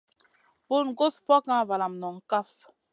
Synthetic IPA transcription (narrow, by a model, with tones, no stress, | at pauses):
bo˦˨nɡo˦spɔ˦kã˦˨va˨la˨m˨nɔ˨ŋ̩˦ka˦f